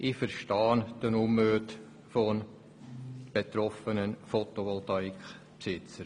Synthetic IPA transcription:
ʔifəɾʃtɑːnd̥ənumøːt | fon | b̥et̪ɾɔfənənfɔt̪oʋɔlt̪ɑikχ | psɪt͡səɾ

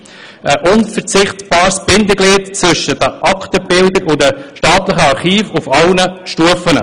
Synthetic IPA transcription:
əʔʊnfəɾt͡sɪχtb̥ɑːɾsb̥ɪnd̪əɡliːtt͡sʋʏʃːədəʔɑkt̪əb̥ɪldəɾʊdəʃtɑːt̪ləχəɑɾχiːfʊfɑlnəʃtuəfənə̰

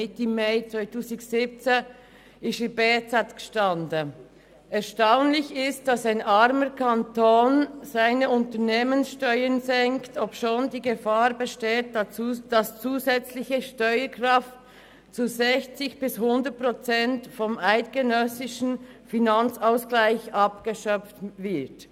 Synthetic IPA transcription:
ɪtɪmaɪt͡svaɪtʰuːsɪɡsɪp̚t͡se | ɪstɪbeːt͡satɡ̥ə̥ʃtɑndə | ɛɐʃtaʊnlɪçɪst̚d̥ɑsaɪnʔɑɾməkʰantoːnzaɪnəʊntəneːmənsʃtœʏənzɛŋktʰopʃoːndiːɡəfaːɾbəʃteːt̚d̥d̥ɑst͡suːzɛt͡slɪçəʃtɔʏəkrɑft | t͡suzɛçt͡sɪçb̥ɪshʊndət̚pʁɔt͡sɛntfɔmaɪtɡ̥ənœsɪʃn̩ | finɑnt͡saʊsklaɪçʔɑp̚ɡ̥əʃœp͡ftvɪɐt

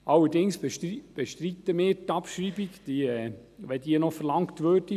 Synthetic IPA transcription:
ʔɑlːəɾdɪŋsb̥ɛʃtɾit̪əmɪːtɑpʃɾiːbiɡd̥iɛʋɛdiənɔfəɾlɑŋktʋøːɾd̥i

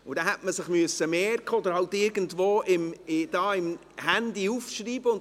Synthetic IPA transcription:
ʊdɛɦɛtməsɪχmyəsəmeːɾkəod̪əɾhɑltɪɾɡn̩tvoːʔɪmɪd̥ɑːɪm | hændiufʃriːbəʊn

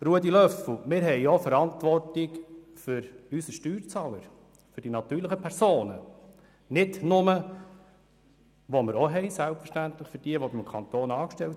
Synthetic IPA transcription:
ɾuədilœfl̩mɪːɾɦɛɪofəɾɑntʋɔrtik | fʏɾysəʃtyːɾt͡sɑːləɾ | fɵɾd̥inɑt̪yːɾləχəpʰɛɾsoːnə | nɪdnʊmə | ʋomɪɾɔɦɛɪsælˠpfəɾʃtæntləχfʏɾd̥iəʋobɪmkʰɑnt̪oːnɑːkʃtɛlt

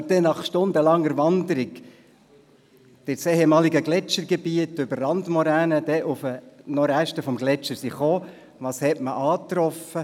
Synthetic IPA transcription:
d̥ɛnɑχʃtʊnd̪əlɑŋːəɾʋɑnd̪əɾɪɡ | d̥ɪseːhemɑːliɡəɡlɛt͡ʃəɾɡebiətʏbərːɑnd̪mɔɾæːnəd̥ɛʔʊfənɔɾæʃtəfɔmɡlɛt͡ʃːəɾsiχoː | ʋɑːshɛtməʔɑːt̪ɾɔfə

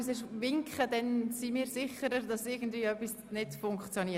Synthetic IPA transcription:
sɛʃʋɪŋkχədɛnsimiːɾsɪχəɾəɾdɑsɪɡən̩dviːœpːis | nɪdfʊŋkχt͡sjoniː

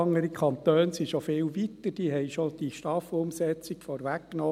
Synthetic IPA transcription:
ɑŋːəɾikʰχɑnt̪øːnsiʃofɪːlʋit̪əd̥iːɦɛɪʃɔd̥iʃtɑfʊmsɛt͡sikfɔːɾʋækːnoː

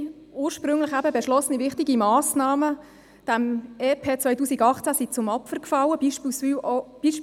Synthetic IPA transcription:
uːɾʃpɾʏŋlɪχæbəbɛʃlɔsənivɪχtiɡimɑːsnɑːmə | d̥æmeːpʰeːt͡svœjtuːsiɡɑχt͡sæsit͡sʊmɑpfərkfɑlːəb̥iʃpːsb̥iʃ

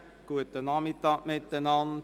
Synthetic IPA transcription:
kuət̚ːənɑːmitɑmɛt̚dənɑn

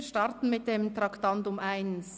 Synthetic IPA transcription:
ʃtɑɾtn̩mɪt̚d̥eːmtʁɑktɑntʊmʔaɪns

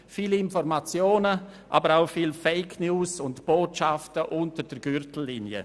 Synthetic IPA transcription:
fiːlɪnfɔɾmat͡sjoːnəʔa̰bəɾaʊfiːlfeɪkʰnjuːsʊntb̥oːtʃaftəʔʊntəɾdəɾɡ̥ʏɾtl̩ːiːnjə̰

